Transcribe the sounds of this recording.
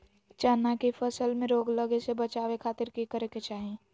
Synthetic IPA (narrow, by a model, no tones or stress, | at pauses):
t͡ʃaːnakifʰəsəlmẽɾoːɡləɡesebət͡ʃaːʋekʰaːt̪ɪɾkikəɾeket͡ʃaːɦẽː